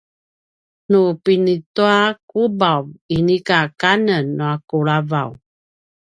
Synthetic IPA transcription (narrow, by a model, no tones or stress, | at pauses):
nupinituakubavinikakanənːuakuɭavaw